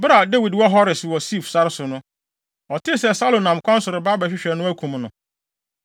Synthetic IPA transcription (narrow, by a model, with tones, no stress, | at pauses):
bɾa˨de˦wi˨dwɔ˦ɦɔ˦ɾɪ˨swɔ˨si˦˨fsa˦ɾɪ˦sʊ˨nʊ̃˦ | ɔ˨tʰɪ˦˨sɛ˨sa˦lo˨nã˨m˨kʷʰã˦n̩˦sʊ˨ɾɪ˨ba˦ba˨ɕᶣɪ˦ɕᶣɛ˨nʊ̃˦æ˦kʰũ˨mnʊ̃˨